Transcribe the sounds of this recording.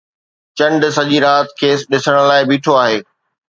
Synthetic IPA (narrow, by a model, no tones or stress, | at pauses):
t͡ɕɐ̃ɳɖsɐʄiɾaːt̪kʰeːsɗɪsəɽ̃laːɪbiːʈʰoaːɦeː